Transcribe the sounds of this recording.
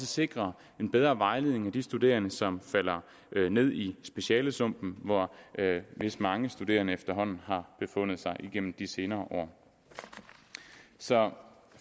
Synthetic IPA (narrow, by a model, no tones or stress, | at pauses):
səse̝ɡ̥ʁɐ | e̝nb̥eð̞ˠɐːʋɑ̈ɪleðˠneŋæd̥isd̥ud̥e̝̰ːɐnəsɒ̽mfæl̰ɐ | ne̝ð̞̰ˠisb̥e̝ɕɛːləsɔm̰b̥n̩ʋɒ | ʋe̝sd̥mɑ̈ŋəsd̥ud̥e̝̰ːɐnəefd̥ɐɦɒ̽n̰n̩ɦɑ̈b̥e̝fɔ̽n̰ð̞̩ˠsɑ̈ɪʔiɡ̥en̰m̩d̥ise̝ːnɐːʔɒ̰ː | sɒ̽